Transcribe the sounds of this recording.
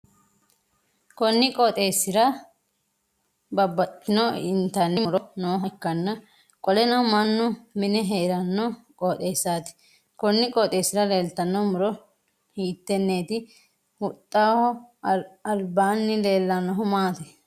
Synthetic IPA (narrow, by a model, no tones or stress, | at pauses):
kɔnːɪkʼɔːt̪ʼe̞ːsːɪɾɐ | bɐbːɐt̪ːɪnɔɪnt̪ɐnːɪmʊɾɔnoːɦɐkːɐnːɐ | kʼɔlɛnɐhʊmɐnːʊmɪnɛɦeːɾɐnːɔkʼoːt̪ʼe̞ːsːaːt̪ɪ̥ | kɔnːɪkʼɔːt̪ʼeːsːɪɾɐle̞ːlt̪ɐnːɔmʊɾɔ | hiːt̪ːɛnːeːt̪ɪ | hʊt̪ʼːaːhɔ | ɐlbaːnːɪle̞ːlːɐnːɐɦʊmaːt̪ɛ